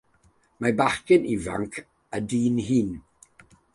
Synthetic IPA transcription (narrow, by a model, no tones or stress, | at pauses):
mabaχkɪniva̰ŋkʰ | ədiːnhiːn